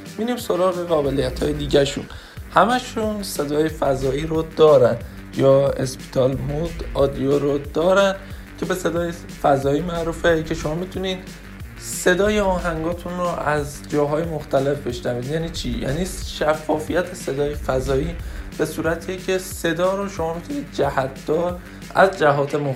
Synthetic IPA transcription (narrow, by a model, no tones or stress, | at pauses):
miːdiːmso̞ɾɒːɣe̞ɣɒːbe̞lijæt̪ʰhɒːjed̪iːɟæʃṵn | hæmæʃunse̞d̪ɒːjefæzɒːiːɾod̪ɒːɾæn | jɒːḛspʰi̥t̪ʰɒlmud̪ɒd̪ijoɾod̪ɒːɾæn | cʰe̞be̞se̞d̪ɒːje | fæzɒːiːmæʔɾuːfecʰe̞ʃo̞mɒːmit̪ʰuniːd̪̥ | se̞d̪ɒːjeɒːɦæŋɡɒːt̪ʰunroʔæz | d͡ʒɒːɦɒːjemoxt̪æle̞fbe̞ʃnæviːd̪jæːniːt͡ʃʰijæ̰ːniːʃæfːɒːfijæt̪ʰese̞d̪ɒːjefæzɒːiːb̥e̞suːɾæt̪ʰicʰe̞se̞d̪ɒːɾoʃo̞mɒːmit̪ʰuniːd̪̚d͡ʒæhæt̪̚ʰd̪̥ɒːɾ | æ̰zd͡ʒæɦɒːt̪ʰemo